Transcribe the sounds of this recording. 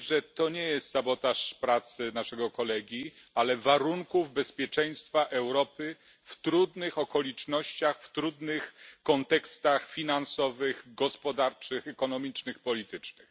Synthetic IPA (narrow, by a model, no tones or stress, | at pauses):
ʐɛt̪ɔɲɛjɛst̪sabɔt̪aʂpɾat̪sɘnaʂɛɡɔkɔlɛɡʲi | alɛvaɾuŋkuvbɛspʲjɛt͡ʂɛj̃st̪faʔɛwɾɔpɘ | ft̪ɾud̪nɘxɔkɔlʲit͡ʂnɔɕt͡ɕaxft̪ɾud̪nɘxkɔnt̪ɛkst̪axfʲinansɔvɘɣɡɔspɔd̪aɾt͡ʂɘxɛkɔnɔmʲit͡ʂnɘxpɔlʲit̪ɘt͡ʂnɘx